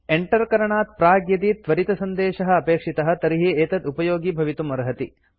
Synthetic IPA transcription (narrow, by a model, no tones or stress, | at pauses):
eɳʈɐɾkɐɾɐɳaːt̪̚pɾaːɡjɐd̪it̪ʋɐɾit̪ɐsɐnd̪eːʃɐɦɐ̆ɐpeːkʂit̪ɐɦɐ̆t̪ɐɾiɦieːt̪ɐd̪upɐjoːɡibʱɐʋit̪umɐɾɐɦɐt̪i